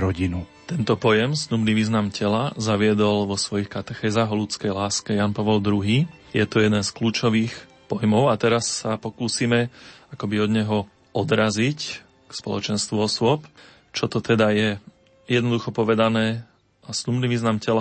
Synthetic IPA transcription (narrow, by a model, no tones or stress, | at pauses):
ɾɔɟinut̪ɛnt̪ɔpɔjɛmsnubniʋiːznamcʰɛlazaʋɪɛd̪ɔlʋɔsʋɔjixkat̪ɛxɛːzaːɦɔlut͡skɛjlaːskɛjanpaʋɛld̪ɾuɦiːjɛt̪ɔjɛd̪ɛnskluːt͡ʃɔʋiːx | pɔjmɔʊat̪ɛɾasːapɔkuːsimɛakɔbiɔd̪ɲɛɦɔ | ɔd̪ɾazic | kspɔlɔt͡ʃɛnst̪ʋuɔsʊɔp | t͡ʃɔt̪ɔt̪ʰɛd̪ajɛ | jɛd̪nɔd̪uxɔpɔʋɛd̪anɛː | asnubniʋiːznamcɛla